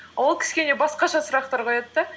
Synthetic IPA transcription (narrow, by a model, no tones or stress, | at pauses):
ɑ̰wolˠkʲʰɪ̥skʲene̞bɑsqɑʃɑsʊɾɑqt̪ɑɾqʰɑjɑt̪ːɑ